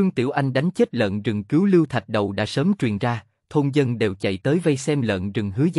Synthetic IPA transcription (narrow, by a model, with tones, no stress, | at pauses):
ɨ˧ŋt̪ḭ˧˩əwʔa˧jŋ̟ɗa˨˦jŋ̟t͡ɕe˦˥t̚lə̰ː˧˨nzɨ˨˩ŋki˨˦wlɨ˧wt̪ʰa˨˩t̚ɗə˨˩wɗa̰ː˧˥səː˨˦mt͡ɕwi˨˩ənzaː˧ | t̪ʰo˧nzə˧nɗe˨˩wt͡ɕə̰˧˨jt̪əː˨˦jvə˧jsɛ˧mlə̰˧˨nzɨ˨˩ŋhɨ˨˦əz